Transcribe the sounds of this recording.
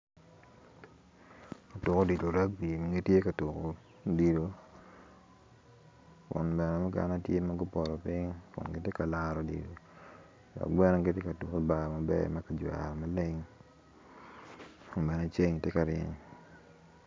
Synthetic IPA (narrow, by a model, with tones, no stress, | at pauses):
ka˨tʊ˨ko˦di˨do˨ɾa˦k̚bi˨m˨ɡe˦tje˦ka˨tu˨ko˨ | di˨do˨ | kʊ̰˨nbɛ˨nɛ˨mʊ˦ɡa̰˨na˦tje˦ma˦ɡʊ˦pɔ˨ɾɔ˨pɪ˦ŋ˦kʊ̰˨nɡɪ˦te˦ka˨la˦ɾo˨dḭ˨do˨ | dɔ̰˨k̚bɛ˦nɛ˦ɡe˦te˦ka˨tu˨ko˦ba˨ma˨bɛ̰˦ma˦ka˨d͡ʒwa̰˨ɾɔ˨ma˦le˦ŋ | ʊ˨bɛ˨nɛ˨t͡ʃe˦ŋ˨tɛ˦ka˨ɾɪ̰˦ŋ